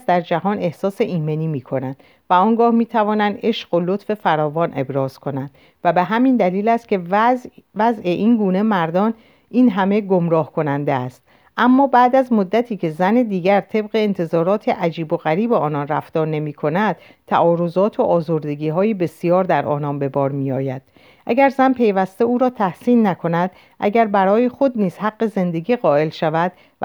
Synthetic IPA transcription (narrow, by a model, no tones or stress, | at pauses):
sd̪æɾd͡ʒæhɒːne̞hsɒːse̞ʔiːme̞niːmiːkʰo̞nænd̪̥ | væɒːŋɡɒːhmiːt̪ʰævɒːnænd̪e̞ʃɢolo̞t̪fe̞fæɾɒːvɒːnʔe̞bɾɒːz̥kʰo̞nænd̪̥ | væbe̞ɦæmind̪æliːlæst̪̚cʰʲe̞ | væze̞ʔiːnɡuːne̞mæɾd̪ɒːn | iːnɦæme̞ɡomɾɒːhkʰo̞nænd̪eæst̪ | ʔæmːɒːbæːd̪æzmod̪ːæt̪ʰiːcʰe̞zæned̪iːɟæɾt̪ʰe̞bɣeːnt̪ʰe̞zɒːɾɒːt̪ʰeʔæd͡ʒiːbo̞ɣæɾiːbeɒːnɒnræ̰ft̪ɒːɾne̞miːkʰo̞næd̪̥̚ | t̪ʰæ̰ʔɒːɾo̞zɒːt̪ʰoʔɒːzoɾd̪e̞ɡiːɦɒːjebe̞sijɒːɾd̪æɾʔɒ̰ːnɒːnbe̞bɒːɾmijɒːjæd̪̥ | ʔæ̰ɡæɾzænpʰe̞jvæst̪euːɾɒːt̪ʰæhsiːnːækʰo̞næd̪̥̚ | ʔæ̰ɟæɾbæɾɒːjeχo̞d̪niːz̥hæɡːe̞ze̞nd̪e̞ɡiːɣɒːe̞lʃævæd̪̥̚